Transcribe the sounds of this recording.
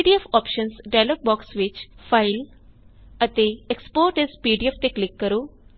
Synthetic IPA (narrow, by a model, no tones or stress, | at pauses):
ɖiefɔːpʃə̃nsɖaɪlɔːk̚bɔːksʋɪt͡ʃfaɪl | ət̪eekspoːɾʈezpiːɖieft̪eklɪkːəɾo